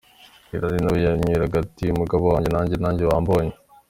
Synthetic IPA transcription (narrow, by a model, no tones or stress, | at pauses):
iɾaɾinojaɲiɾaɡatimuɡaβowaːɲɟenaːɲɟenaːɲɟewaːmboɲe